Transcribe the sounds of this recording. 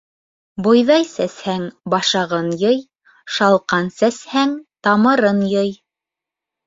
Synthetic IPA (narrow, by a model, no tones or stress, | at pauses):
bŏjðɑjsæshæŋbɑʃɑʁɤnjɤj | ʃɑlˠqɑnsæshæŋt̪ɑmɤ̆ɾɤnjɤj